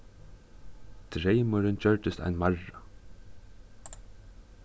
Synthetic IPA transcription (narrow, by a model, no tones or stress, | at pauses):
t̪ɾejmʊɾɪnt͡ɕœɹt̪ɪst̪a̰jnmaɹːa